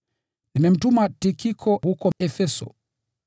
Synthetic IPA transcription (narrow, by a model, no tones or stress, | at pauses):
nimɛm̩tumatikikʰɔhukɔɛfɛsɔ̰